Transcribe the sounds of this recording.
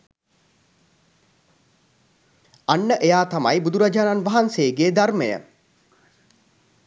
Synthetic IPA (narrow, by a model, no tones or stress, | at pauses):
anːəʔejaːt̪ama̰jbud̪uɾad͡ʒaːnanʋaɦanseːɡeːd̪armejə̰